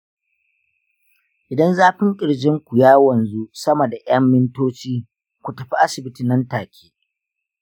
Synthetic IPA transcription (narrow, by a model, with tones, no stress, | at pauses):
ʔɪ˨dɐ˦nzaː˦ɸɪ˦ŋkʲʼɪ˨ɽd͡ʒɪ˦ŋkʷu˨jaː˦wɐ˨nzu˦sɐ˦mɐ˨da˨ʔj̰ɐ˦mːɪ˦ntoː˦t͡ʃiː˦ | kʷu˨tɐ˨ɸi˦ʔa˦sɪ˨bɪ˦ti˨nɐ˦ntaː˨kʲʰeː˦